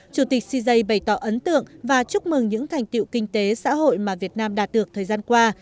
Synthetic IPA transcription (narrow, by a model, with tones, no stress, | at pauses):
t͡ɕu˧˩t̪i˨˩k̟̚si˧zə˧jɓə˧˩jt̪ɔ˧˩ʔə˨˦nt̪ɨ̰˧˨əŋvaː˨˩t͡ɕʊ˦˥k͡p̚mɨ˨˩ŋɲɨ̰˧˥ŋt̪ʰa˨˩jŋ̟t̪ḭ˧˨wkï˧ŋ̟t̪e˨˦sa̰ː˧˥ɦo̰˧˨jmaː˨˩vi˨˩ət̚naː˧mɗaː˨˩t̚ɗɨ˨˩ət̪ʰəː˨˩jzaː˧nkwaː˧